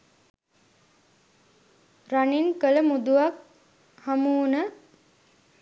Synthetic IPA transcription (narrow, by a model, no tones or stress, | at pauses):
raniŋkələmud̪uʋak̚ | hamuːnə